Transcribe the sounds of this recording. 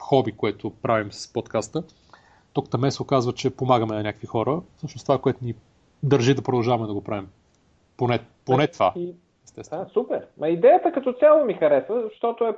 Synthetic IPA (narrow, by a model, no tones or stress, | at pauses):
xɔbikoɛt̪opɾavimsspot̪kast̪ə | t̪ɔkt̪ɐmɛsˠokazvət͡ʃɛpomaɡəmɛnɐnʲakəkvixɔɾəfsɤʃnoʊst̪ovakoɛt̪ʊni | d̪əɾʒid̪ɐpɾod̪ɐlˠʒavɐmɛd̪ɐɡopɾʔavim | ponɛponɛt̪va | ɛst̪ɛsvsupɛɾmʔɐid̪ɛjət̪əkɐt̪ɔt̪sʲjalˠomixɐɾɛsvəzɐʃt̪ɔt̪oɛ